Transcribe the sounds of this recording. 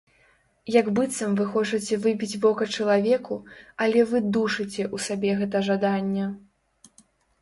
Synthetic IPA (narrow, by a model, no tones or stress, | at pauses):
jɐɡbɨt̪sɐmvɨxɔt͡ʂɐt͡sʲɛvɨbʲid͡zʲbɔkɐt͡ʂɐlˠavʲɛkualʲɛvɨd̪uʂɨt͡sʲɛʔusabʲɛɣɛt̪̬ɐʐad̪anʲːɛ